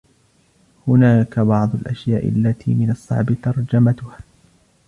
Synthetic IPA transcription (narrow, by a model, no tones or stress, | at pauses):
hʊnaːkabɑʕd̪ˤʊlʔaʃjaːʔɪ̰lːat̪ʰḭːmɪnɑsˤːɑ̰ʕbɪt̪ɑɾˤd͡ʒamat̪ʊhaː